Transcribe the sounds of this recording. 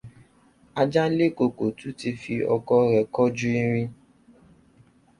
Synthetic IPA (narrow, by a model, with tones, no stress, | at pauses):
a˧d͡ʒa˦le˦˨ko˧ko˨tu˨˦ti˧fi˧ʔɔ̰˧kɔ˦ɾɛ˨kɔ˦d͡ʒu˦i˧ɾ̃ĩ˧